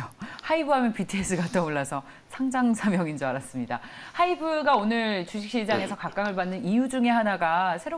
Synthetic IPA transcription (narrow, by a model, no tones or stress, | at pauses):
haibɯɦamjʌnpitʰɯes͈ʰɯɡat͈ʌoɭːasʰʌ | sʰaŋd͡ʑaŋsʰamjʌŋind͡ʑoaɾas͈ɯmɲida̰haibɯɡaonɯɭt͡ɕuɕʰik̚ɕ͈id͡ʑaŋe̞sʰʌkak͈aŋɯɭbanːɯnijud͡ʑuŋe̞ɦanaɡasʰe̞ɾo